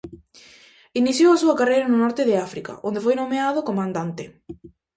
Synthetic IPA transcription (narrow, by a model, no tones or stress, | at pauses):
iniθjowasuɐkarejɾɐnʊnɔɾt̪ɪðɪafɾika̰ʔond̪efojnomeaðʊkomãnd̪ant̪ɪ